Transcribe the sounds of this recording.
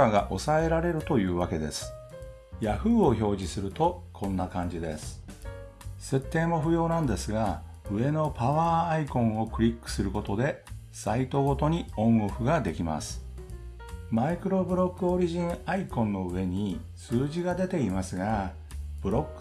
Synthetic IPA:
aɡaʔo̞sae̞ɾaɾe̞ɾɯ̟t̪o̞jɯ̟ːβake̞d̪e̞̰sɨ̥ | jaɸɯ̟ːo̞ço̞ːʑisɨɾɯ̟t̪o̞kʰõ̞nːakãɲ̟d͡ʑid̪e̞̰sɨ̥ | se̞t̪ːe̞ːmo̞ɸɯ̟jo̞ːnãnd̪e̞sɨɡa | ɯ̟e̞no̞paβaːikõ̞ɰ̃o̞kɯ̟ɾʲikːɯ̥sɨɾɯ̟ko̞t̪o̞d̪e̞ | sait̪o̞ɡo̞t̪o̞ɲ̟iõ̞ŋɡoɸɯ̟ɡad̪e̞kʲima̰sɨ̥ | maikɯ̟ɾo̞bɯ̟ɾo̞kːɯ̟oɾʲiʑĩɰ̃aikõ̞nːo̞ɯ̟e̞ɲ̟i | sɨːʑiɡad̪e̞t̪e̞imasɨɡa | b̥ɯ̟ɾo̞kː

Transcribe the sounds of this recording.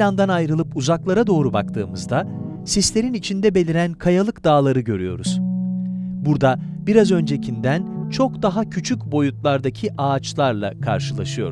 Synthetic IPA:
land̪anajɾɯlˠɯpuzaklˠaɾad̪o̞ːɾuba̰kt̪ʰɯ̰ːmɯzd̪a | sislʲe̞ɾinit͡ʃʰind̪ɛbelʲiɾænkʰajalˠɯkd̪aːlˠaɾɯɟø̞ɾyjo̞̰ɾuz̥ | buɾd̪abiɾazø̞nd͡ʒe̞cʰind̪ænt͡ʃʰo̞kd̪aɦacʰyt͡ʃʰycʲbo̞jut̪̚lˠaɾd̪acʰiʔaːt͡ʃlˠaɾlˠa̰kʰa̰ɾʃɯlˠaʃɯjo̞̰ɾ

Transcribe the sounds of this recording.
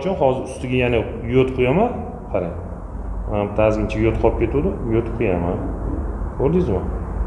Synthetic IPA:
t͡ʃʰʊnhɒzɪɾʊst̪ɪɡʲajana | jot̪qʰʊjaman | qʰɑɾen | mant̪ʰazɡʲɪnt͡ʃʰajot̪qʰɒp̚kʲe̞t̪ud̪ɪjot̪qʰɨjamankʰoɾd̪ɪzma

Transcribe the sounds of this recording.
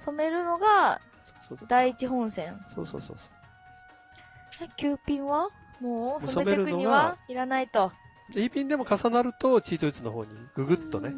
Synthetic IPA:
so̞me̞ɾɯ̟no̞ɡa | so̥od̪aiːt͡ɕiɦõ̞ɰ̃sẽ̞ŋsoːso̰ːso̰ːso̥ː | kʲɨːpʲĩɰ̃βa | moːsoemeeɾɯkɯnoɲiaβaiɾanait̪o̞ | ɾʲipʲĩnd̪e̞mo̞kasanaɾɯ̟t̪o̞t͡ɕiːt̪o̞it͡sɨno̞ɦo̰ːɲ̟iɡ̥ɯ̟ɡɯ̟t̪ːo̞ne

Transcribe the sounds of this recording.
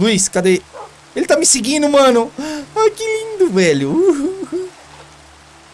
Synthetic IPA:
luiskad̪e | elɪt̪amɪseɡĩnd̪ʊmɐ̃nʊakilĩnd̪ʊvɛʎʊ

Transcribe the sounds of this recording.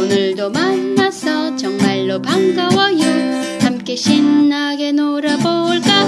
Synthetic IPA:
onɯɭdomanmasʰʌt͡ɕʌŋmaɭːopaŋɡʌwʌju | hamk͈e̞ɕʰinːaɡe̞noɾaboɭk͈a

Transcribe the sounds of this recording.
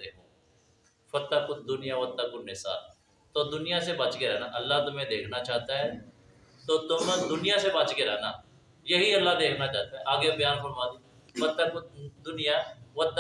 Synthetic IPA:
eːkõ | fɐt̪ːakʊd̪d̪ʊnɪjaʋɐt̪ːakʊɾnɪsa̰ːl | t̪oːd̪ʊnɪjasebaːt͡ʃkeɾɛɦnaʔɐlːaːt̪ʊmẽd̪eːkʰnat͡ʃaːɦt̪aɦɛː | t̪oːt̪ʊmd̪ʊnijasebaːt͡ʃkeɾɛɦnaː | jɐɦiɐlːad̪eːkʰnat͡ʃaːɦt̪aɦɛʔaːɡjebjaːnfəɾmaːd̪i | ʋɐt̪ːakʊd̪ʊnɪjaʋɐt̪

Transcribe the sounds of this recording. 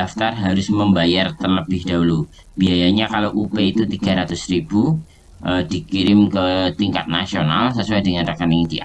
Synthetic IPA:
aft̪arɦaɾʊsməmbajart̪ərləbɪhd̥aɦulu | b̥iajaɲakalawʔupeit̪ut̪iɡa̤ɾat̪ʊsribu | ʔədikiɾɪmkət̪iŋka̰t̪̚nasionalsəsuajdəŋanrakaniŋdi

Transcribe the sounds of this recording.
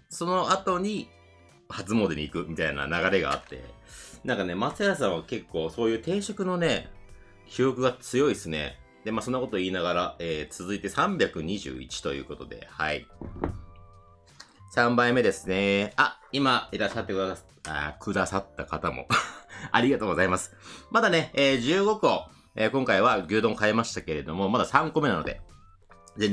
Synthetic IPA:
so̞no̞at̪o̞ɲ̟i | hat͡sɨmo̞d̪eɲ̟iːkɯ̟mʲit̪aina̰naɣaɾe̞ɡa̰ːt̪ːe̞̰nãŋkane̞maseas̬ãɰ̃βake̞kːo̞ːso̞ːjɯ̟ːt̪e̞ːɕo̞kɯ̟no̞ne̞ | kʲʰio̞kɯ̟ɡat͡sɨjo̞isɨne̞̰ | d̪e̞maːso̞nːako̞t̪oiːnaɡaɾaeːt͡sɨzɨit̪e̞sãmbʲakɯ̟ɲ̟iʑɨ̰ːḭt͡ɕi̥t̪o̞jɯ̟̰ːko̞t̪o̞d̪e̞̰haḭ | sãmbaime̞d̪e̞sɨ̥ne̞a | imaiɾaɕːat̪ːe̞kɯ̟d̪a | a̰kɯ̟d̪asat̪ːakat̪amo̞̰aɾʲiɡat̪o̞ːɡo̞zaimasɨ̥mad̪ane̞eːʑɨːɡo̞ko̞ | eːkõ̞ŋkaiβaɡʲɨːd̪õ̞ŋkae̞maɕi̥t̪ake̞ɾe̞d̪o̞mo̞mad̪asãŋko̞me̞nano̞d̪e̞̰ | d͡zẽ

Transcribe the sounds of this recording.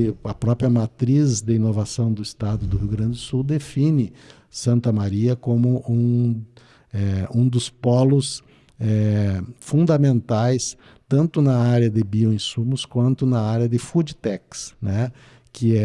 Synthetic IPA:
ɪɐpɾɔpɾjɐmat̪ɾizd̪ɪĩnovasɐ̃w̃d̪ʊɪst̪ad̪ʊd̪ʊhiwɡɾɐ̃nd͡ʒɪd̪ʊsuwd̪efĩnɪ | sɐ̃nt̪ɐmaɾiɐkõmʊʔũ | ɛũd̪ʊspɔlʊs | ɛfũnd̪ɐmẽnt̪ajs | t̪ɐ̃nt̪ʊnɐaɾjɐd̪ɪbioẽsũmʊskwɐ̃nt̪ʊnɐaɾjɐd̪ɪfud͡ʒit̪ɛksnɛ | kɪɛ

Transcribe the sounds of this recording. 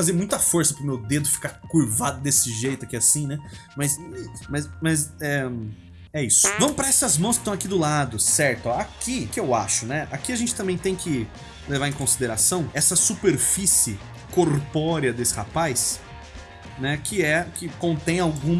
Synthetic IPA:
azeɾmũj̃t̪ɐfoɾsɐpɾʊmewd̪ed̪ʊɪfi̥kaɾkuɾvad̪ʊd̪esɪʒejt̪ʊɐkiasĩnɛ | mɐsmɐsmɐzɛ | ɛisʊ̥vɐ̃mʊpɾɐɛsɐzmɐ̃w̃skɪ̥t̪ɐ̃w̃akid̪ʊlad̪ʊsɛɾt̪ʊakikɪewa̰ʃʊnɛʔakiaʒẽnt͡ʃɪ̥t̪ɐ̃mbẽj̃t̪ẽj̃kɪ | levaɾẽj̃kõsid̪eɾasɐ̃w̃ɛsɐsupeɾfisɪ | koɾpɔɾiɐd̪esɪ̥ha̰pajs | nɛkʰɪɛkɪkõnt̪ẽj̃awɡũm

